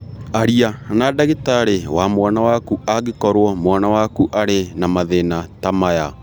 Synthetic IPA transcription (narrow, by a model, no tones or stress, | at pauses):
aɾianadaɣetaɾewamwanawakuaɣekɔɾwɔmwanawakuʔaɾenamaðenatamaja